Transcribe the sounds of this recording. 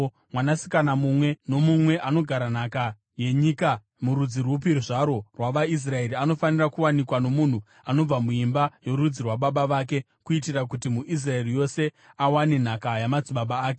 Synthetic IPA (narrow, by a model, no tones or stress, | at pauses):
mwanasi̥kanamumwe̞no̞mumwe̞ʔano̞ɡʱaɾan̤aka | je̞ɲika | muɾud͡zirwup̬iɾuʐaɾo̞rwaʋais̬rae̞ɾiano̞fanirakuwanikwano̞mun̤u | ano̞b͡vamuimbajo̞ɾud͡zirwaɓaɓaʋaːk̬e̞ | kuitirakutimuʔis̬rae̞rijo̞se̞ | awane̞n̤akajamad͡ziɓaɓaːk̬e̞